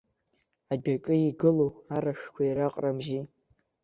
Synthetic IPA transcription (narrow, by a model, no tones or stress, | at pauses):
adakʼɨiɡɨloaɾaxkʷʰaiɾaqʼramʒi